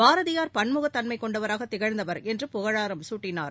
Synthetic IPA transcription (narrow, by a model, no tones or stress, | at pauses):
baːɾɐðɪjaːɾpɐɳmɯɣɐt̪ːɐnmɐɪkːɔɳɖɐʋɐɾaːɣɐt̪ːɪɣɐɻnd̪ɐʋɐɾɛndrɯpʊɣɐɻaːɾɐmsuːʈːɪna̰ːɾ